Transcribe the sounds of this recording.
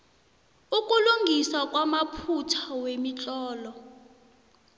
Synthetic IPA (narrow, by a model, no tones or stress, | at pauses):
ukʼuluŋɡʱisak̬ʼwamapʰutʰawemit͡ɬʼɔːlɔ